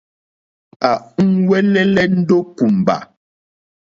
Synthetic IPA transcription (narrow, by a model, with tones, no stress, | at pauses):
a˨ŋ̩˦wɛ˦lɛ˦lɛ˦n̩˦do˦pu˨m˨ba̰˨